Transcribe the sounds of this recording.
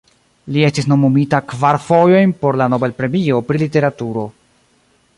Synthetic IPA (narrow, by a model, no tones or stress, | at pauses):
lie̞stisno̞mumitakvaɾfo̞jo̞jnpo̞ɾlano̞be̞lpɾe̞mio̞pɾilite̞ɾatuɾo̞